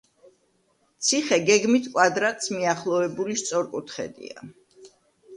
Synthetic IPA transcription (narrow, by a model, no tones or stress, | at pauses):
t̪sʰiχɛɡɛɡmit̪ʰkʼwad̪ɾat̪ʼsmiaχlˠɔvɛbulist̪sʼɔɾkʼut̪ʰχɛ̰d̪ḭa̰